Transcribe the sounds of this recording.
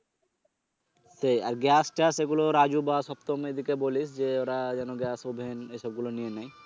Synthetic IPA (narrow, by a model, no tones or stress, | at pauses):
sejaɾɡɛsʈaseɡuloɾad͡ʑubaʃɔpt̪omed̪ʱikebolisd͡ʑeoɾad͡ʑɛnoɡɛsobʱenejʃɔb̚ɡulonijenaj